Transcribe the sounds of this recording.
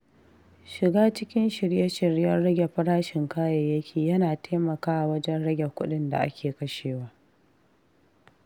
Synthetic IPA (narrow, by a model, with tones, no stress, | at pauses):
ʃɪ˨ɡaː˦t͡ʃɪ˦kʲɪ˦nʃɪ˨ɾje˦ʃɪ˨ɾjɐ˦nɽɐ˦ɡʲe˨ɸɐ˦ɽaː˦ʃɪ˨ŋkaː˦ja˨jɐ˦kʲʰiː˨jɐ˦naː˨tʰeː˦mɐ˨kaː˦ʔa˨wɐ˦d͡ʒɛ˦nɽɐ˦ɡʲe˨kʷʊ˦ɗɪ˦nda̰˨ʔa̰˦kʲʰeː˨kɐ˦ʃeː˨waː˦